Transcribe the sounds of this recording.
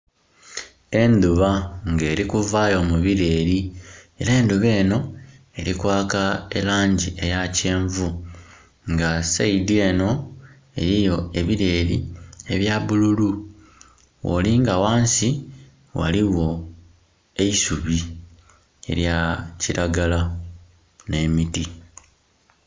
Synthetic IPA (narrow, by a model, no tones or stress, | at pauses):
e̞nd̪uβaŋɡe̞ːɾikuvaːjo̞ːmuβiɾe̞ːɾie̞ɾeːnd̪uβe̞ːno̞ | e̞ɾikwaːkae̞laːɲɟie̞jace̞ːɱvu | ŋɡasaidie̞ːno̞ | e̞̰ɾijo̞eβiɾe̞ːɾie̞βjaβululu | wo̰liŋɡawaːnsi | wa̰liwo̞ | e̞isuβi | e̞̰ɾjaciɾaɡala | ne̞miti